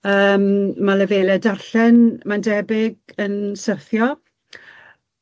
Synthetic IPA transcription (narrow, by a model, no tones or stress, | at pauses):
əːmmaləvelɛdarɬɛnmandɛbɪɡənsərθjɔ